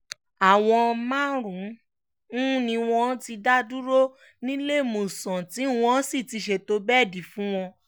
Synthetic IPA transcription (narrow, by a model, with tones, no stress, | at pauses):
a˨w̃ɔ̃˧mã˦ɾũ˨˦ | nĩ˧w̃ɔ̃˧˦ti˧da˦du˦ɾo˦ | nĩ˦le˦˨mũ˨sɔ̃˨ti˨˦˨w̃ɔ̃˧˦si˦˨ti˨˧ʃe˧˨to˧˦bɛ˦˨di˨˦fũ˦w̃ɔ̃˧